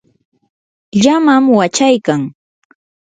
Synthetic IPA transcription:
ʎamamwat͡ʃajkaŋ

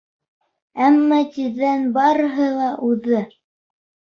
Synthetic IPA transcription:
æmːɑt̪iɾðænbɑɾɤ̆ɦɤlˠɑʔʉðɘ

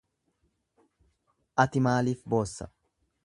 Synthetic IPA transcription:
ʔɐt̪ɪmaːliːfbo̞ːsːɐ̰

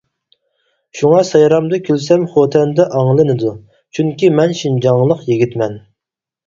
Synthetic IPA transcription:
ʃuŋɑsɑjɾɑmd̪ɨkʲʰylsɛmχot̪ʰɛnd̪ɛʔɑŋlˠɨnɨd̪u | t͡ʃʰyŋkʲimɛnʃind͡ʒɑŋlˠəqjeɡʲit̪mɛn

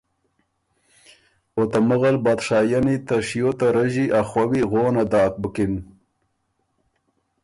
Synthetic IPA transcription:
ot̪aməɣalbat̪ʂaːjanit̪aʂjot̪aɾaʑiʔaχwawiɣoːnad̪ɑːk̚bəkin

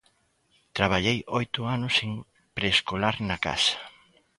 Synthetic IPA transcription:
t̪ɾaβ̞aʎejojt̪ʊanʊseŋ | pɾeskolaɾnɐka̰sɐ̥

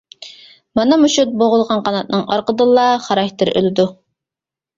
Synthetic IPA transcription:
mɑnɑmuʃut̪̚boʁʊlˠʁɑnqʰɑnɑt̪̚nɨŋɑ̰ɾqəd̪ɨlˠːɑχɑɾɑht̪ɪɾø̰lɪd̪u

